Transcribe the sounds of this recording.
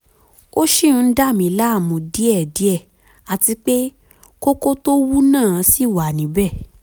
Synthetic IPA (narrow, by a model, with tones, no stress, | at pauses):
o˦ʃĩ˦˨˧da˦˨mĩ˨˧˨la˦˨mũ˨˧di˦ɛ˦˨di˨˦ɛ˦˨ | a˨ti˧k͡pe˦ | ko˦ko˦to˦wu˦nãː˦˨˦si˦˨wa˨nĩ˨˦bɛ˦˨